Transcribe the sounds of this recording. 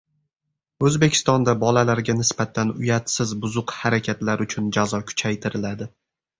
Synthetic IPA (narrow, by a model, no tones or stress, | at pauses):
ɵzbekʲʰɪ̥st̪ɒnd̪abɒlalaɾɡʲanɪsbat̪ʰanʊjat̪sɪzbʊzʊqhaɾakʲʰat̪laɾʊt͡ʃʰʊnd͡ʒazɒkʲʰʊ̥t͡ʃʰajt̪ʰɪɾɪlad̪ɪ